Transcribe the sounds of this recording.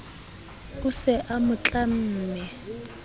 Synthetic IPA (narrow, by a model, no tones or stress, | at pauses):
ʊsɛʔamʊt͡ɬʼam̩ːmɛ